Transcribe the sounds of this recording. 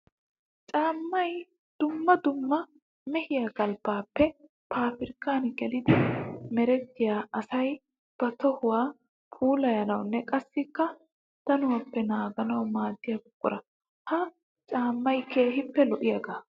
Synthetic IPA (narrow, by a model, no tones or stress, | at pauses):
t͡ʃʼaːmːɐj | d̪̥ʊmːɐd̪ʊmːɐ | mɛhɪjaːɡɐlbaːpːɛ | pʰaːfɪɾkːaːnɪɡɛlɪd̪ɪmɛɾɛt̪ːɪjaːʔɐsɐj | b̥ɐt̪ɔhʊwaː | pʰuːlɐjɐnɐwnːɛkʼɐsːɪkːɐ | t̪ɐnʊwɐpːɛnaːɡɐnɐwmaːd̪ːɪjaɡʊkʼːʊɾɐ | hɐ | t͡ʃʼaːmːɐjkʰe̞ːɦɪpːɛlɔʔɪjɐɡaː